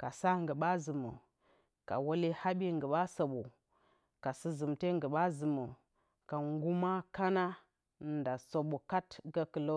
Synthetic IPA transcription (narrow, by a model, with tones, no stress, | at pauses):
ka˨sa˦ŋɡə˨ɓa˦zɨ˨mə̰˨ | ka̰˨wo˦li˦ha˦ɓi˦ŋɡə˨ɓa˦so˨ɓu˨ | ka˨si˦zɨ˨mte˦ŋɡə˨ɓa˦zɨ˨mə˨ | ka˨ŋɡu˦ma˦ka˦na˦˨ | nda˨so˨ɓo˨ka˦tɡa˦kə˨lo˦